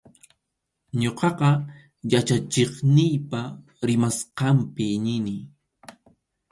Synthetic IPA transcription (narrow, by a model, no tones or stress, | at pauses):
ɲoqɑqɑ | jat͡ʃat͡ʃeχnɪjpa | ɾɪmasqɑmpɪɲɪnɪ